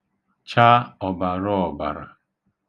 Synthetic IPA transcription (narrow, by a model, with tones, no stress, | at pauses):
t͡ʃa˦ɔ˨ba˨ɾɔ˦ɔ˨ba̰˨ɾa̰˨